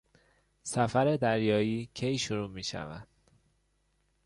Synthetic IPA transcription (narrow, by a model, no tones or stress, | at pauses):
sæfæɾe̞d̪æɾjɒːjiːcʰejʃoɾuːmiːʃæ̰væ̰nd̪̥